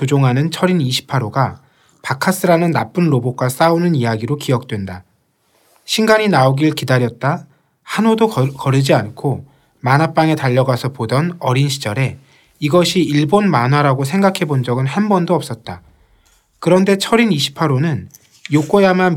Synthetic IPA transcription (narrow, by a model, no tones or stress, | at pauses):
od͡ʑoŋɦanɯnt͡ɕʰʌɾiniɕʰi̥pʰːaɾoɡa | pakʰas͈ɯɾanɯnːap͈ɯnɾobok͈as͈aonɯnijaɡiɾokijʌk̚t͈we̞nda | ɕʰiŋɡaɲinaoɡiɯɭkidaɾjʌt̚t͈a | hanodokʌɾɯd͡ʑiankʰo | manap͈aŋe̞taʎːʌɡasʰʌpodʌnʌɾinɕʰid͡ʑʌɾe̞ | iɡʌɕʰiiɭbonmanɦwaɾaɡos̬ʰe̞ŋɡakʰe̞bond͡ʑʌɡɯnhanbʌndoʌp̚s͈ʌt̚t͈a | kɯɾʌnde̞t͡ɕʰʌɾiniɕʰi̥pʰaɾonɯn | jok͈ojaman